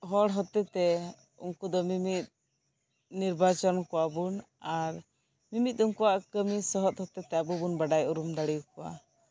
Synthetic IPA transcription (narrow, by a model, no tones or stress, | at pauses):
ɦɔɽɦɔt̪ɛt̪ɛ | ṵŋkud̪ɔmimit̪̚ | niɾbat͡ʃɔnkɔwabun | aɾ | mimit̪̚ˀuŋkuwaʔkəmisɔɦɔt̪̚hɔt̪ɛt̪ɛabubunbaɖajuɾumd̪aɽijukɔwa̰